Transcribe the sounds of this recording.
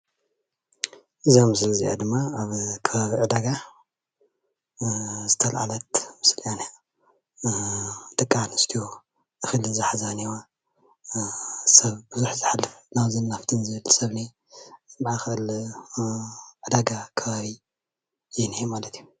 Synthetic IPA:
ʔɨzamɨslzḭʔa̰d̪ɨmːaaβkʰɐβaβiʕɨd̪aɡa | zɨt̪ʰɐlʕa̰lɐt̪mɨsliane | d̪ʼɨkʼːanɨst̪ʰijo | ʔɨxɨlzɨħazaniwa | sɐβbɨzuħzɨħalːɨfnawzɨnːaft̪ʰɨnzɨɨlsɐβne | bʕaxl | ʕɨd̪aɡakʰɐβaβi | jɛnijmalɐt̪ʰiju

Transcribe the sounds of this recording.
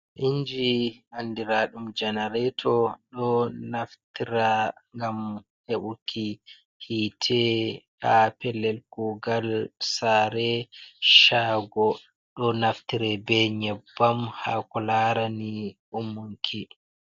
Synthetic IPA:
ʔiɲd͡ʒiandiɾaɗumd͡ʒɛnaɾɛtʰɔɗɔnaftiɾaŋɡam | heɓukʰi | hitʰɛhapɛlːɛlɡuɡalsaɾɛʃaːɡɔ | ɗɔnaftiɾɛbɛɲɛbːamha̰kɔlaɾaniʔumːuŋkʰi

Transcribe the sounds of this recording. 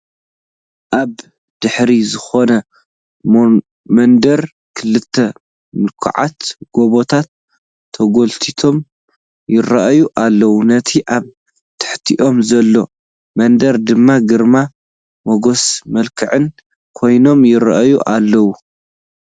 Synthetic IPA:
ʔaβ | d̪̥ɨħɾizɨxo̞nɐ | mɐnd̪ɐɾ | kʰɨlɨt̪ʰːɐ | mɨlkʰɐ̰ʕa̰t̪ɡ̥o̞βot̪ʰat̪ʰː | ɐɡolt̪ʰit̪ʰo̞m | jɪɾɐʔjuʔalːɐwunɐt̪ʰiʔaβ | t̪ʰɨ̥ħt̪ʰiʔo̞mzɐlːo̞ | mɐnd̪ɐɾd̪ɨmːaɡɨɾma | moɡo̞smɐlkʰɨʕɨn | kʰo̞jno̞mjɪɾɐ̰ʔajuʔalːɐwu

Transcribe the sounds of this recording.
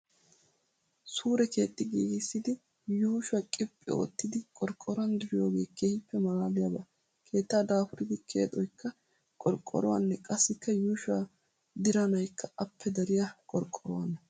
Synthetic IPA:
suːɾɛke̞ːt̪ʼːɪɡiːɡɪsːɪd̪ɪ | juːʃwɐkʼɪpʼːɪ̰o̰ːt̪ːɪd̪ɪkʼɔɾkʼːɔɾɐnd̪ɪɾɪjo̞ːɡe̞ːkʰeːhɪpːɛmɐlaːlɪjɐbɐ | kʰe̞ːt̪ːaːd̪aːfʊɾɪd̪ɪkʰe̞̰ːt̪ʼɔjkːɐ | kʼɔɾkʼːɔ̰ɾɔ̰wɐ̰nːɛkʼɐsːɪkːɐjuːʃʊa | d̪ɪɾɐnɐjkʰːɐɐpːɛd̪ɐɾɪjɐkʼɔɾkʼːɔɾɔwɐnːɐ

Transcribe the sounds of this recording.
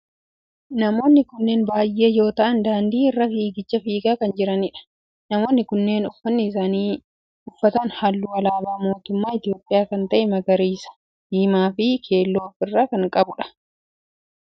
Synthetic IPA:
nɐmo̞ːnːɪkʊnːe̞ːnbaːjʔːe̞ːjo̞ːt̪ɐʔɐnd̪aːnd̪iːɪrːɐfiːɡɪt͡ʃːɐfiːɡaːkɐnd͡ʒɪɾɐnɪᶑɐ̥ | nɐmo̞ːnːɪkʊnːe̞ːnʊfːɐnːɪɪs̬aːniː | ʊfːɐt̪ɐnhalːuɐlaːbaːmo̞ːt̪ʊmːaːɪt̪ɪjo̞ːpʼːɪjaːkɐnt̪ɐʔɛmɐɡɐɾiːsɐ̥ | d̪iːmaːfɪkʰe̞ːlːo̞ːfɪrːaːkɐŋkʼɐbʊᶑɐ̥

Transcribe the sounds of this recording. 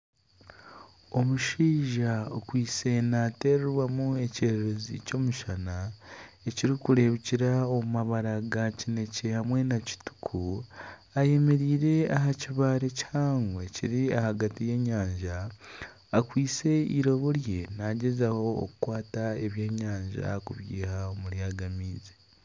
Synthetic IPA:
o̞muʃiːʒaokwiːt͡se̞nate̞ːɾeɾwamue̞ceɾeɾezḭco̞ːmuʃana | e̞ciɾikuɾe̞βiciɾaomumaβaɾaɡacine̞ce̞hamwe̞naci̥tu̥kʰu | aje̞me̞ɾiːɾe̞aɦaciβaːɾecaːŋɡwe̞ciɾiahaɡatije̞ɲaːɲʒaː | kwiːt͡se̞iɾo̞βo̞ɾje̞naɟezaho̞̰ːkukwaːtae̞βjeːɲaːɲʒa̰kuβjḭːhaomuljaːɡamiːze

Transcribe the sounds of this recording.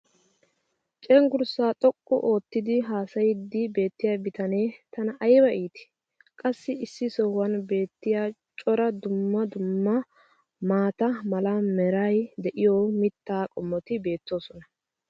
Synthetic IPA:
t͡ʃʼɛŋɡʊɾsaːt̪ʼɔkʼːɔ̰ʔo̞ːt̪ːɪd̪ɪɦaːsɐjɪd̪ːɪbe̞ːt̪ːɪjabɪt̪ɐne̞ːt̪ɐnɐʔɐjbɐʔiːt̪ɪ̥ | kʼɐsːɪɪsːɪsɔwɐnbe̞ːt̪ːɪjaːt͡ʃʼɔɾɐd̪ʊmːɐd̪ʊmːɐ | maːt̪ɐmɐlamɛɾajd̪ɛʔɪjoːmɪt̪ːaːkʼɔmːɔt̪ɪbe̞ːt̪ːo̞ːsɔnɐ

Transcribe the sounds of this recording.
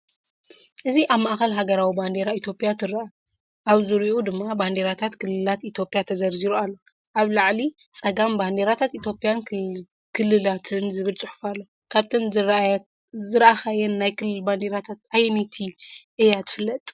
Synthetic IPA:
ʔɨziʔaβmaʔxɐlɦaɡɐɾawiband̪e̞ɾait̪ʰjo̞pʼijat̪ʰɨɾaa | ʔaβzɨɾiʔud̪ɨmːaband̪e̞ɾat̪ʰat̪kʰɨlːɨlat̪it̪ʰjo̞pʼjat̪ʰɐzɐɾziɾualːo̞ | ʔaβlaʕli | t͡sʼɐɡamband̪eɾat̪ʰat̪it̪ʰjopʼjan | kʰɨlːɨlat̪ʰɨnzɨβɨlt͡sʼɨħu̥falːo̞ | kʰaβt̪ʰɨn | zɨɾaxajɛnːajkʰɨllband̪eɾat̪ʰat̪ajmit̪ʰiʔejat̪ʰɨ̥fɨlːɐt̪ʼ

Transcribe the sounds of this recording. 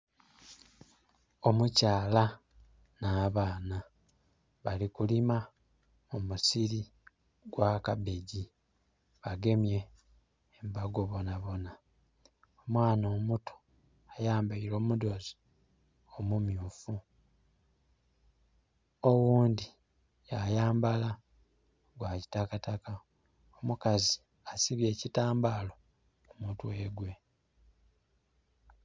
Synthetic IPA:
o̞mucaːla | naːβaːna | βalikulima | omusiɾi | ɡ̥wakabeɟi | βaɡe̞mje̞ː | mbaɡo̞βo̞naβo̞na | omwaːnoːmutʰo̥ | ajaːmbaiɾo̞ːmudo̞zi̥ | omumjuːfu | owuːndi | jajaːmbala | ɡwaːci̥takataka | omukazi | asiβje̞ːcitaːmbalo̞ | umuːtweːɡwe̞

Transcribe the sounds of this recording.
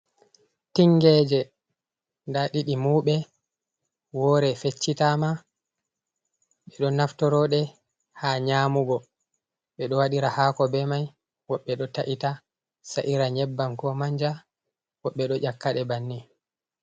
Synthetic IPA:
tiŋɡɛːd͡ʒɛ | ndaɗiɗimuːɓɛ | wɔɾɛfet͡ʃːitama | ɓɛɗɔnaftɔɾɔɗɛ | haɲaːmuɡɔ | ɓɛɗɔwaɗiɾahaːkɔbɛmaj | wɔɓːɛɗɔtaʔita | saʔiɾaɲɛbːamkɔmaɲd͡ʒa | wɔɓːɛɗɔʔakːaɗɛbanːi

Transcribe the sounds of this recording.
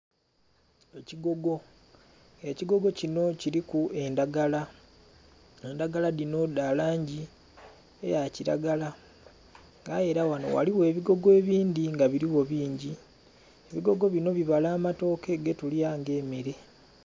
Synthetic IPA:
eciɡo̞ɡo̞ | eciɡo̞ɡo̞cino̞ciɾikue̞ndaɡala | e̞ndaɡaladino̞dalaːɲɟi | ḛjaciɾa̰ɡala | ŋɡae̞ɾawano̞̰wa̰liwe̞ːβiɡo̞ɡe̞ːβiːnd̪iŋɡaβiɾiwo̞βiːɲɟi | eβiɡo̞ɡo̞βino̞βiβalaːmato̞ke̞ɡe̞tulijaːŋɡe̞ːmeɾe̞

